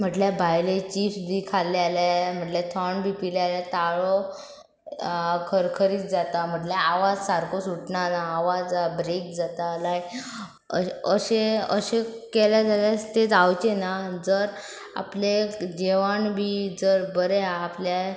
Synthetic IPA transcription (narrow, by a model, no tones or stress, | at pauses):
m̤əʈljabʱajlet͡ɕiːfsbʱiːkʰaljalam̤əʈljat̪ʰəɳbʱipiljalat̪aɭɔ | kʰəɾkʰəɾiːt̪d͡zat̪am̤əʈlaaʋad͡zsaɾkosuʈnanaːʋad͡zbɾek̚d͡zat̪alaj | əɕeə̰ɕekeljad͡zalat̪et͡sawt͡ɕenad͡zəɾ | a̰pled͡ʑeʋaɳbʱiːd͡zəɾbəɾeaplja